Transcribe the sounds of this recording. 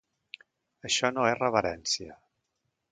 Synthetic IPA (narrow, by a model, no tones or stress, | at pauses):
əʃɔnoesrəβəɾɛnsiə